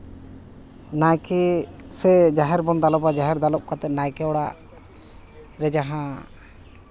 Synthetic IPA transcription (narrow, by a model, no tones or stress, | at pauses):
najkɛsɛd͡ʒaɦɛɾbɔnd̪alɔbad͡ʒaɦɛɾd̪alɔp̚kat̪ɛt̪̚najkɛɔɽaʔ | ɾɛd͡ʒaɦã